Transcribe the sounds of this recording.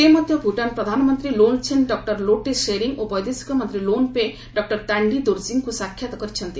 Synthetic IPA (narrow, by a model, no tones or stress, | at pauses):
temɔd̪ʱjɔpuʈanpɾɔd̪ʱanmɔnt̪ɾilont͡ʃʰenɖɔk̚ʈɔɾloʈeseɾiŋopɔjd̪esi̥kɔmɔnt̪ɾilonpe | ɖɔk̚ʈɔɾt̪aɳɖid̪oɾziŋɡkusakʰjat̪ɔkɔɾit͡ʃʰʌnt̪i